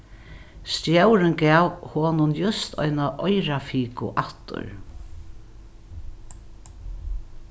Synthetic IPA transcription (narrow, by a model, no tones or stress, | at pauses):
st̪jœwɾɪnkɛːwhoːnʊnjʊst̪ʰɔ̰jnaʔɔjɾafiːkʊ̰ʔat̪ʊ̰ɹ